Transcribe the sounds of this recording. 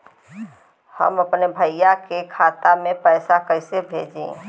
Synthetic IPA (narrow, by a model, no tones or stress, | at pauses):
hə̰məpnebʱəɪjakekʰaːt̪amẽpəɪsakəɪsebʱeːd͡ʒḛ̃